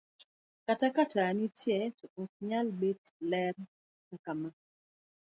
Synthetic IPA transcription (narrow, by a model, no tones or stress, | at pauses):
katakatʰanitjɛtɔɔk̚ɲalbetlɛr | kakama